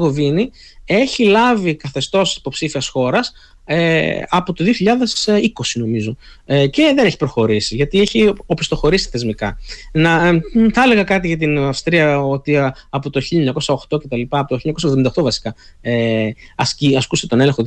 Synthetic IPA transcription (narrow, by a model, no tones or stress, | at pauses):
ɣovini | e̞çilɐvikɐθe̞st̪o̞si̥popsifiɐsxo̞ɾɐs | eɐpot̪o̞ðioçiʎɐðe̞siko̞sino̞mizo̞ | ce̞ðe̞neçi̥pɾo̞xo̞ɾisiʝɐt̪ieçiopi̥st̪o̞xo̞ɾisi̥θe̞zmikɐnɐθɐleɣɐkɐt̪̬iʝɐt̪̬inɐfst̪ɾiɐo̞t̪iɐpo̞t̪oçiʎɐeɲɐko̞sɐo̞xt̪o̞ce̞t̪ɐlipɐɐpot̪oçiɲɐkosɐðomind̪oxt̪ovɐsi̥kɐeɐsciɐskust̪e̞t̪o̞neleŋxo